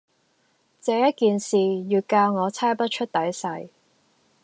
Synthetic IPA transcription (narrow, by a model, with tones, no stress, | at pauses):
t͡sɛː˨˧˥jɐ˥t̚kiː˨nsiː˨jyː˨˧kaː˧wŋɔː˨˧t͡sʰaː˥jpɐ˥t̚t͡ʃʰɵ˥t̚t̪ɐ˨˥jsɐ˧j